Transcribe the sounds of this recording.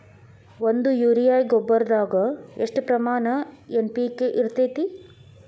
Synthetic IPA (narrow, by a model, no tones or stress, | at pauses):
ʋond̪ujuːɾijaːjɡɔbːɐɾɐd̪aːɡɐeʂʈpɾɐmaːnɐenpiːkːeʔiɾt̪eːt̪i